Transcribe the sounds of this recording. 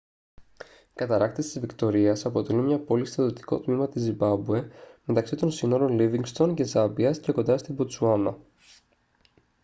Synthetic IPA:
kɐt̪ɐɾɐkt̪est̪izvikt̪o̞ɾiɐsɐpo̞t̪e̞lumɲɐpo̞list̪ɐðiot̪i̥ko̞̰t̪mimɐt̪izimbɐbue̞me̞t̪ɐksit̪o̞nsino̞ɾo̞nliviŋɡst̪o̞nce̞zɐbiɐsceko̞nd̪ɐst̪ibot̪suɐnɐ

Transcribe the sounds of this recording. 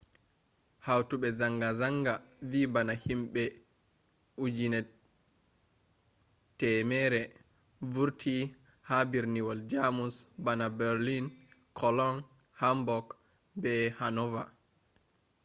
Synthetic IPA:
hawtuɓɛzaŋɡazaŋɡavibanahimɓɛ | ud͡ʒinɛ | tɛmɛːɾɛ | vuɾtʰi | habiɾniwɔld͡ʒamusbanabɛɾlinkʰɔlɔn | hambɔk | bɛhanɔva̰

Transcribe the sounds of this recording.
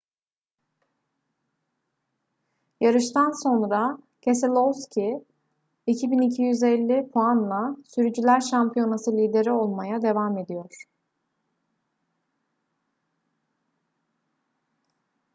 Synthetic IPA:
jaɾɯʃt̪ʰanso̞nɾa | cʰeselʲˠovscʰʲi | icʰibinicʰijyzelʲːipʰuanlˠasyɾyd͡ʒylʲæɾʃampijo̞nasɯlʲiːd̪e̞ɾio̞lˠmajad̪e̞vame̞d̪ijo̞ɾ̥

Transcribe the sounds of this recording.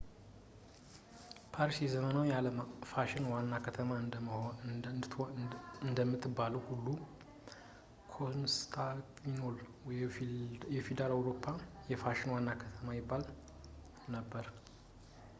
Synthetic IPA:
pʰaɾsijɛzəmənawjaləmfaʃɪnwanːakʰət̪ʰəmaɨn | ɨnd̪əmːɨt̪ʰːɨbːaləwhulːu | kʰonst̪ʰakminol | jɛfed̪alawɾopʰːajɛfaʃɪnwanːakʰət̪ʰəmajɪbːal | nəbːəɾ

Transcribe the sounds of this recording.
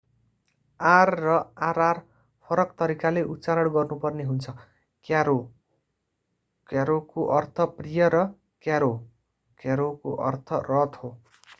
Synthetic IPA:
arːʌaɾar | pʰʌɾʌkt̪ʌɾikaleʔut͡saɾʌɽɡʌrnupʌrneɦunt͡sʰʌ | kaɾo | kjaɾokoʔʌrt̪ʰʌprijʌɾʌ | kjaɾo | kjaɾokoʔʌ̰rt̪ʰʌrʌt̪ʰho

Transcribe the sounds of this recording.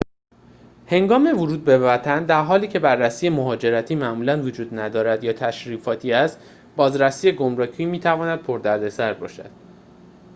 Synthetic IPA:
he̞ŋɡɒːme̞voɾuːd̪̚be̞væt̪ʰænd̪æɾɦɒːliːcʰe̞bærːæsiːjemoɦɒːd͡ʒe̞ɾæt̪ʰiːmæʔmuːlænvod͡ʒuːd̪næd̪ɒːɾæd̪jɒːt̪ʰæʃɾiːfɒːt̪ʰiːæst̪ | bɒːzɾæsiːjeɡomɾɒːcʰiːmiːt̪ʰævɒːnæd̪̥̚pʰoɾd̪æɾd̪e̞sæɾbɒ̰ːʃæ̰d̪̥̚

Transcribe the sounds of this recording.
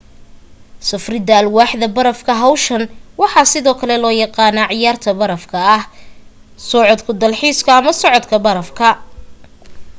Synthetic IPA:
sɐfrɪd̪ɐlwɑːħðɐbɐɾɐfkʰɐɦɐwʃɐnwɑħɑːsɪðɔːkʰɐlɛlɔːjɑqɑːnaːʕɪjaːrt̪ʰɐbɐɾɐfkʰɐːh | sɔʕɔd̪kʰʊd̪ɐlħiːskʰɐːmɐsɔʕɔd̪kʰɐbɐɾɐfkʰɐ

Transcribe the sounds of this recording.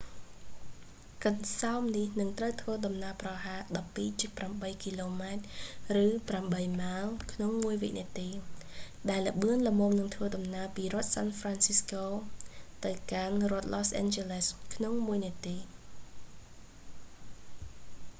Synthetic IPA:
kənsaɔmnihnɨŋt̪rəwt̪ʰʋəːɗɑmnaəprɑɦaːɗɑpːiːt͡ɕiək̚pramɓəjkiloːmaɛt̪̚rɨːpramɓəjmaəlkʰnoŋmuəjʋiʔniət̪iː | ɗaɛlːə̆ɓɨənləmoːmnɨŋt̪ʰʋəːɗɑmnaəpiːrŏət̪̚saːnfraːnsiskoːt̪ɨwkanrŏət̪̚loːsʔɛ̰ːnt͡ɕeləskʰnoŋmuəjniət̪iː

